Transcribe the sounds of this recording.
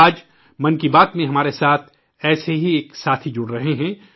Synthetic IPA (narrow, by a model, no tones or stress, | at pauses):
aːd͡ʒ | mɐnkibaːt̪mẽɦɐmaːɾesaːt̪ʰ | ɛːseɦieːksaːt̪ʰid͡ʒʊɽɾɐɦeɦɛ̃ː